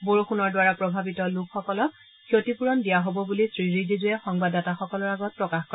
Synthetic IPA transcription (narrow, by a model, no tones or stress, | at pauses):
boɹuxunɔɹdwaɹapɹɔbʱabitɔlukʰxɔkɔlɔk̚ | kʰjotipuɹɔndijaɦobɔbulisɹiɹidizʊjɛxɔŋbadataxɔkɔlɔɹaɡɔt̚pɹɔkaxkɔ